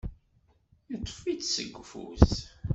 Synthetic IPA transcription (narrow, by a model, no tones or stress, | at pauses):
jət̪ˤːfit͡ssə̰ɡʷːfṵs